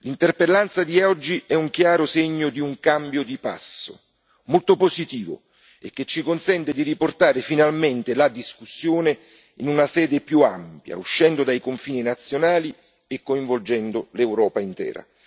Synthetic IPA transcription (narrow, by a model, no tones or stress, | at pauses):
lint̪erpelːant̪sad̪iɛɔd͡ʒːiɛuŋk̟jaːɾʊseɲːod̪iuŋkambjod̪ipa̰sːo̰ | molt̪oposit̪iːvo̰ | ḛkːet͡ʃːikonsɛnt̪ɪd̪iriport̪aːɾɪfinalment̪ɪlad̪iskusːjoːne | inunasɛːd̪ɪpjuampja̰uʃːɛnd̪od̪ajkoɱfiːninat̪sːjonaːli | ekːoĩɱvold͡ʒɛnd̪olewɾɔːpaint̪ɛ̰ːɾa̰